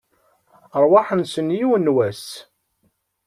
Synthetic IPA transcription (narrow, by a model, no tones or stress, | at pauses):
ɾˤwɑħənsənjiwnwæs